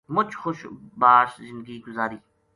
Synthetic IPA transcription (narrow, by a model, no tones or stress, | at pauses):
mʊt͡ʃʰxʊʃbaːʃzɪ̃nd̪ɡiːɡʊzaːɾiː